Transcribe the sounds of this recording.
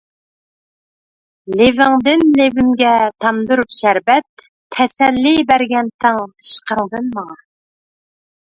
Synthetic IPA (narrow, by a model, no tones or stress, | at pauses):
levɪŋd̪ɪnlevɪmɡʲɛt̪ʰɑmd̪uɾupʃæɾbɛt̪ʰː | ɛsɛlːibæɾɡʲɛnt̪ʰɨŋɨ̥ʃqʰəŋd̪ɨnmɑŋɑ